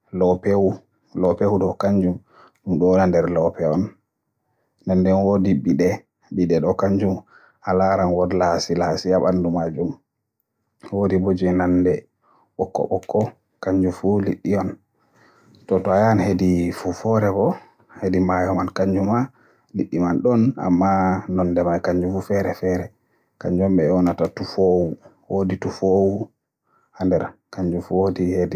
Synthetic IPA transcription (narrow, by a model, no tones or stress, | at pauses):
lɔpewu | lɔpewuɗɔkaɲd͡ʒum | ɗumɗɔnandɛɾlɔpɛɔn | andɛnwodibiɗɛ | biɗɛɗɔkaɲd͡ʒum | alaɾanwɔdlasilasijaɓandumad͡ʒum | wodibod͡ʒinandɛ | ɓɔkːɔ̰ɓɔkʰːɔ | kaɲd͡ʒufulḭɗːijɔn | tɔtɔajanhedifufɔɾɛbɔ | hedimajɔmankaɲd͡ʒuma | liɗːimanɗɔna̰mːanɔndɛmajkaɲd͡ʒufufɛɾɛfɛɾɛ | kaɲd͡ʒɔmɓɛɔnatatufoːwu | woditufowu | handɛɾkaɲd͡ʒufuwodihedi